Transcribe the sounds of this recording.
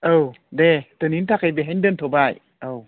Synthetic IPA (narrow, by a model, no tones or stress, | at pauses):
ʔəw | det̪ənint̪ʰakajbeɦaɲdənt̪ʰobaj | əw